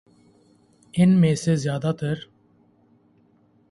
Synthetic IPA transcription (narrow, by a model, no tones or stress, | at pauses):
enmeːsezjaːd̪at̪ʰəɾ